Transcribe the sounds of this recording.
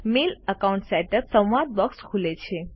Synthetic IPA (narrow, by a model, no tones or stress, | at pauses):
miləkauɳʈsɛʈəɾsə̃wʋad̪̚bɔkskʰulet͡ʃʰe